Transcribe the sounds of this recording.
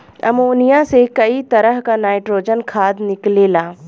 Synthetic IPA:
ɐ̰moːnijasekɐit̪ɐɾəɦkanaːɪʈɾoːd͡ʒənkʰaːd̪nɪklelaː

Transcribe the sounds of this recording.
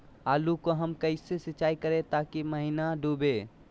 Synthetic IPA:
aːlukoɦəmkəɪsesɪt͡ʃaːikəɾẽt̪aːkiməɦinaɖʱuːbe

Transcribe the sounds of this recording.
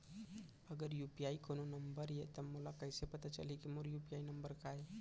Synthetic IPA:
əɡəɾjupiaikononəmbəɾjet̪əmolakəjsepət̪at͡ʃə̰likimoɾjupiainəmbəɾkaj

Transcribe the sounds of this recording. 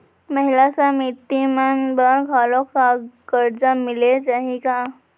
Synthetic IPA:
məɦilasamit̪ːimanbaɾɡʱalokakəɾd͡ʒamiled͡ʒaɦika

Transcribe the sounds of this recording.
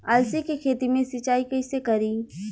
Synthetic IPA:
ɐlsikekʰeːt̪imẽsɪt͡ʃaːikɐisekɐɾiː

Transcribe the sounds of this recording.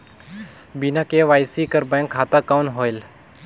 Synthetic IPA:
binãkeʋaːjsiːkəɾbɛ̃ŋkʰːaːt̪akawnɦoːɪl

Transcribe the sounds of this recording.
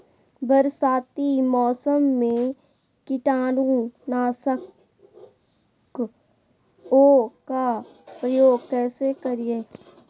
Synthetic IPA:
bəɾsaːt̪imɔːsəmːẽ | kɪʈaːnũnaːsək | k | oːka | pɾəjoːɡkɛːsekəɾijeː

